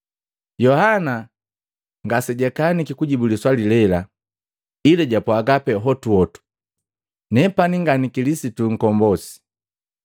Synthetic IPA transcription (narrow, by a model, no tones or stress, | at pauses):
jɔhana | ŋɡasɛɟɛkanikikuɟibuliswalilɛla | ilɛɟapwaɡapɛɦɔtuɔtu̥ | nɛpaniŋɡanikilisituŋ̩kɔmbɔsi̥